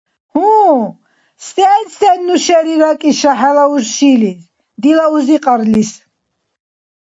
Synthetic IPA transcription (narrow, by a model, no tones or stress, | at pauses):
hũ | st̪ʼɛnsɛnːuʃɛɾiɾakʼiʃaħalauʒʃilis | d̪ilauziqʼaɾlis